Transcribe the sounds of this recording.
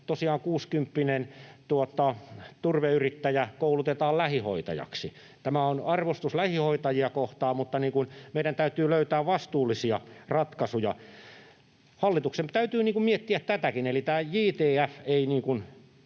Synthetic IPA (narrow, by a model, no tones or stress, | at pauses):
t̪osiɑːŋkuːskympːinent̪uot̪ːˑɑt̪urʋeyrit̪ːæjækoulut̪et̪ɑːllæhiho̰it̪ɑ̰jɑ̰ksi | t̪æmæonɑrʋost̪uslæhihoit̪ɑjiɑkoht̪ɑːmmut̪ːɑniːŋkunmeiɾænt̪æyt̪yːløyt̪æːʋʋɑst̪uːlːisiɑrɑt̪kɑsujɑ | hɑlːit̪uksemt̪æyt̪yːniːŋkummiet̪ːiæt̪t̪æt̪ækinelit̪æːjiːt̪eːæfeiniːŋkun